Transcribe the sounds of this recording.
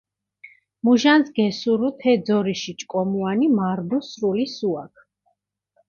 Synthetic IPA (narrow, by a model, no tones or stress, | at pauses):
muʒanzɡɛsuɾut̪ʰɛd̪zɔɾiʃit͡ʃʼkʼɔmuanimaɾd̪usɾulisuakʰ